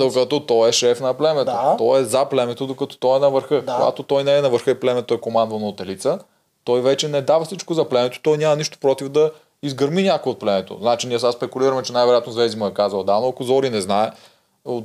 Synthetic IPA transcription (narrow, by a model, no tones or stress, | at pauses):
d̪okɐt̪ɔt̪ɔɛʃɛfnɐplɛmɛt̪ot̪ɔɛzaplɛmɛt̪od̪okɐt̪ɔ̥t̪ɔɛnɐvəɾxɤkoɡa̰t̪ot̪ɔjnɛːnɐvəɾxɤɛplɛmɛt̪ɔɛkomand̪vɐnot̪ɛlit̪sə | t̪ɔjvɛt͡ʃɛnɛd̪avɐslit͡ʃkozɐplɛmɛt̪o̥t̪ɔjnʲamɐniʃt̪o̥pɾɔt̪ivd̪ɐ | izɡəɾminʲakoot̪̚plɛmɛt̪o̰znat͡ʃiniəsaspɛkuliɾəmɛt͡ʃɛnajvɛɾojat̪nozvɛzimoɛkazəlˠd̪anoɐkozɔɾinɛznaɛ | o